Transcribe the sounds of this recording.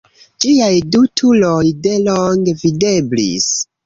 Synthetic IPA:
d͡ʒiajdutʰulojde̞loŋɡevide̞blḭs

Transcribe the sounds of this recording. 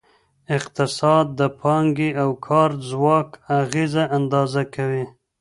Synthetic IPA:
ɪqt̪ɪsɑd̪̚ːəpʰɑŋɡiawkʰɑɾzwɑkaɣizaʔand̪ɑzakawi

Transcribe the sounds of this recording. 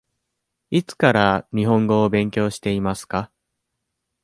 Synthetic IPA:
it͡sɨ̥kaɾaɲ̟iɦõ̞ŋɡo̞ːbẽ̞ŋkʲo̞ːɕi̥t̪e̞imasɨ̥ka

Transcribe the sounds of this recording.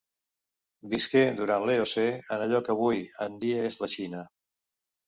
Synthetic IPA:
biskeduɾanleoseənəʎɔkəβ̞ujənd̪iəezləʃinə

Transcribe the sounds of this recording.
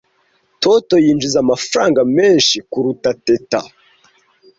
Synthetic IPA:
toto̞jiːnd͡ʒizamafɾaːŋɡame̞ːnʃikuɾutateta̰

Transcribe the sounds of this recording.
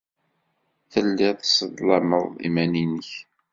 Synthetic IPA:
θəlːɪsəd̪lɑməðˤḭmæninəç

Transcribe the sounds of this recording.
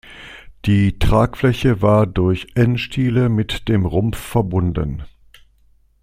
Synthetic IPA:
d̥iːtʁ̥aːkflɛçəvaːɐdʊɐçʔɛnʃtʰiːləmɪtd̥eːmʁʊmfːɛɐbʊndə̰n

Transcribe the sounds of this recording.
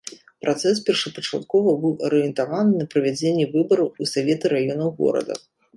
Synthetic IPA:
pɾʔat̪sɛs̬pʲɛrʂɐpɐt͡ʂa̰t̪̚kɔvɐbɨwʔɐɾɨjɛnt̪avanɨnɐpɾɐvʲad͡zʲenʲːɛvɨbɐɾɐwusavʲet̪ɨɾajɔnɐwɣɔ̰ɾɐ̰d̪ɐ̰

